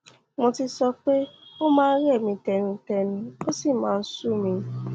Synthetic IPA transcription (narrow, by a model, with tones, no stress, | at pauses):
mɔ̃˧ti˧sɔ˧k͡pe˦o˦mãː˦˧n̩˦ɾɛ˦˨mĩ˧tɛ˧nĩ˧tɛ˧nĩ˧o˦si˦˨mãː˦˧n̩˦su˦˨mĩ˧